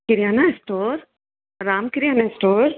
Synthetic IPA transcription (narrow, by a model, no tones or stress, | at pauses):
kɪɾjaːnaesʈoːɾ | ɾaːmkɪɾjaːnaesʈoːɾ